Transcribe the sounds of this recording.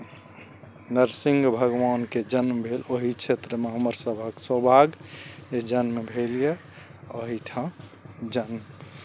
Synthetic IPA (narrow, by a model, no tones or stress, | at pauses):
nəɾsĩŋɡbʱəɡʋanked͡ʒənmbʱeloɦit͡ʃʰet̪ɾəmeɦəməɾsəbʱaksəbʱaɡed͡ʒənmebʱelije | oɦiʈʰãd͡ʒənm